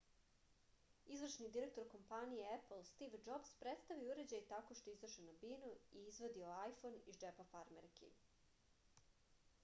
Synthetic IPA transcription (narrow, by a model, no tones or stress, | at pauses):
izʋr̩ʃnid̪iɾe̞k̚t̪o̞ɾko̞mpanijeepl̩ˠst̪iʋd͡ʒobspɾet̪st̪aʋiuɾe̞d͡ʑajt̪ako̞ʃt̪o̞izrʃenabinuiːzʋo̞d̪ioajfonid͡ʒepafaɾmeɾkḭ